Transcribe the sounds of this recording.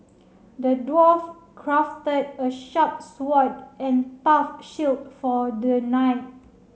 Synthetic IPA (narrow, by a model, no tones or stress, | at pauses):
dədwɔf | kʰɹaftədəʃap̚swɔt̚ɛ̃ntafʃilt̚fɔdənaɪt̚